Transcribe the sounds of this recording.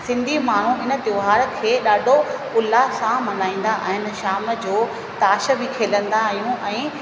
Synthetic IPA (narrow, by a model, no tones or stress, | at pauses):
sɪ̃nd̪ʱimaːɳ̤ũɪnə̆t̪joːɦaːɾkʰeːɗaːɖʱoʊlːasãmɐnaːĩːn̆d̪aʔa̰ːɦɪnɪ̆ʃaːmə̆d͡ʑoː | t̪aːʃə̆bɪkʰeːlə̃nd̪aːɦijũʔɛ̃ː